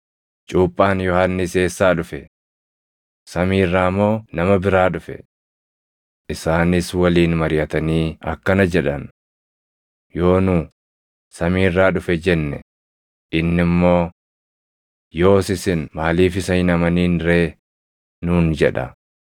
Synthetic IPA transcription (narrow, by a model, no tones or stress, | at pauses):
t͡ʃʼuːpʼːaːnjɔhanːɪse̞ːsːaːᶑʊfɛ | sɐmiːrːaːmːo̞ːnɐmɐbɪɾaːᶑʊfɛ̰ | ʔɪsaːnɪswɐliːnmɐɾɪjɐt̪ɐniːɐ̰kːɐnɐd͡ʒɛᶑɐn | jo̞ːnuː | sɐmiːrːaːᶑʊfɛd͡ʒɛnːɛ̰ | ʔɪnːɪmːo̞ː | jo̞ːsɪsɪnmaːliːfɪsɐjɪnɐmɐniːnɾeː | nuːnd͡ʒɛᶑɐ̰